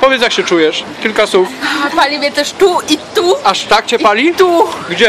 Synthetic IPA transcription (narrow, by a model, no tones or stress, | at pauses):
pɔvʲjɛt̪sjakɕɛt͡ʂujɛʂkʲilkasufpalʲivʲjɛt̪ɛʂt̪uit̪uaʂt̪ak̚t͡ɕɛpalʲit̪uɡd͡ʑɛ